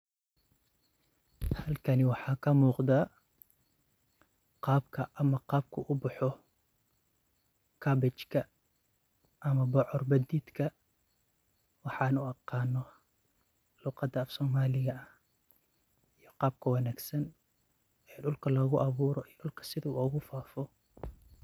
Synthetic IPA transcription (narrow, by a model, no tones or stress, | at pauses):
hɐlkʰɐnɪwɑħɑːkʰɐmuːqd̪aː | qɑːbkʰɐʔɐmɐqɑːb̚kʰʊʔʊbʊħɔ | kʰɐbɪt͡ʃkʰɐ | ʔɐmɐbɔʕɔrbɐd̪iːd̪kʰɐ | wɑħɑnuɑqɑːnɔ | luːqɑd̪ɐːfsɔːmaːlɪɣɐɐ | ijɔqɑːb̚kʰɐwɑnaːɡsɐn | ʔɛːjɖʊlkʰɐlɔːɣʊʔɑβuːɾɔijɗʊlkʰɐ̥sɪðɐṵɔːɣʊfaːfɔ